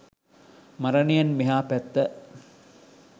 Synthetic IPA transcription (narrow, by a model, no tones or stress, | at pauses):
mɐɾɐnijɐnmiɦaːpæt̪ːə